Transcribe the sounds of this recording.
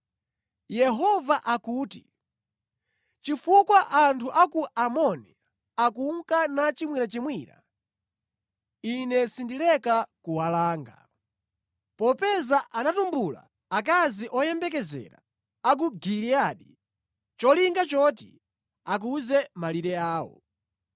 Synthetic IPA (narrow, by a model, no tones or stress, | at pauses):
jɛɦɔvaʔakuːti | t͡ʃifukwaʔantʰuʔakuʔamɔni | akuŋkanat͡ʃimwiɾat͡ʃimwiːɾa̰ | inɛsindilɛkakuwalaːŋɡa̰ | pɔpɛzaʔanatumbula̰ | ak̬aziʔɔjɛmbɛk̬ɛzɛ̰ɾa̰ | ak̬uɡiliaɗi | t͡ʃɔliŋɡat͡ʃɔt̬ḭ | ak̬uzɛmaliɾɛaːwɔ̰